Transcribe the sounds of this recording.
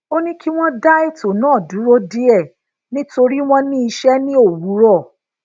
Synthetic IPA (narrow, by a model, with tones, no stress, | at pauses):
o˦nĩ˦ki˦w̃ɔ̃˦da˦e˦˨to˨nãː˨˦˨du˨˦ɾo˦di˦ɛ˦˨ | nĩ˦to˧ɾi˦w̃ɔ̃˦nĩ˦i˧ʃɛ˦nĩ˦o˦˨wu˨˦ɾɔ˦˨